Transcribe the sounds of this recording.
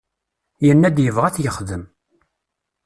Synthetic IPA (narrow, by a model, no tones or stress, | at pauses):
jənːæd̪jəvʁæθjəχðəm